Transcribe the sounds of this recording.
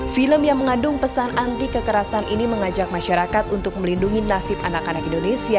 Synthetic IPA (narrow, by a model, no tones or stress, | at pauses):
filəmjaŋməŋadʊŋpəsanant̪ikəkəɾasanʔiniməŋad͡ʒak̚maʃaɾakat̪unt̪ʊk̚məlinduŋinasɪpanakanakindonesia